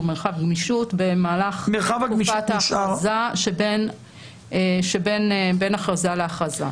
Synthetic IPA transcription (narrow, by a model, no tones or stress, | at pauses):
meʁχavɡmiʃutbemaːlaχmeʁχavaɡmiʃataʃazaʃeben | ʃebe̞nbe̞naχʁazaleaχaza̰